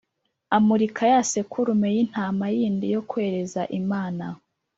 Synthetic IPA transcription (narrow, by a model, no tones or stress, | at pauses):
amuɾikʰajase̞kʰuɾumejin̥haːmajiːndijo̞kwe̞ːɾe̞zaʔimaːna